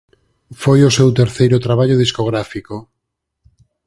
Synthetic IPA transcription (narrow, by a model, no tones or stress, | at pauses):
fojosewt̪eɾθejɾʊt̪ɾaβ̞aʎoðiskoɣɾafiko